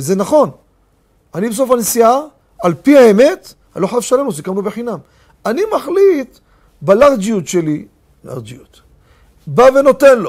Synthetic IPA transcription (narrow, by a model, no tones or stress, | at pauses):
zenaχo̞n | anibes̬o̞fanisia | alpiaeme̞t̪ | a̰loħafʃalemnusikamnubeħinam | animaχlit̪ | balaʁd͡ʒiut̪ʃe̞li | la̰ʁd͡ʒiut̪ | bave̞no̞t̪e̞nlo̞